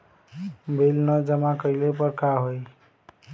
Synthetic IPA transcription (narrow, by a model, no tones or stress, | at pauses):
bʱelnəd͡ʒəmakəilepəɾkaɦoj